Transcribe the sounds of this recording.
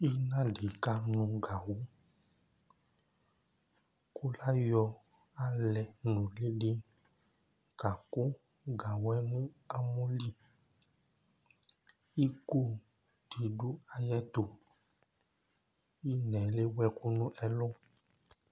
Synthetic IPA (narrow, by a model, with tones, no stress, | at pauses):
i˦nã˦ɖe˨ka˦nũ˧ɡa˨wo˦ | ku˦la˦jɔ˧ | a˨lɛ˨nũ˨le˦ɖe˦ | ka˨ko˦ | ɡa˨wɛ˦nũ˦ | a˨mõ˦li˦ | i˦ko˦ | ti˨du˦a˧jɛ˦t̪o˨ | i˦nɛ̃˨le˦wɛ˧ku˦nũ˦ʔɛ˦lɔ̃˦